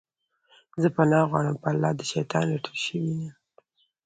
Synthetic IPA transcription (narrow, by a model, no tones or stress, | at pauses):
zəpanɑɣwɑ̰ɽəmpəalːɑd̪əʃajt̪ɑnlaʈulʃəwina